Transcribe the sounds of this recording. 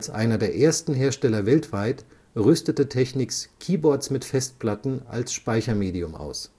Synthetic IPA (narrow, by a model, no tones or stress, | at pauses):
lsʔa̰ɪnɐdeːɐʔeːɐstn̩ɦeːɐʃtɛlɐvɛltv̥aɪt | ʁʏstətətʰɛçnɪkskʰiːbɔɐtsmɪtfɛst̚pl̥atn̩ʔa̰lsʃpaɪçɐmeːdiʊma̰ʊs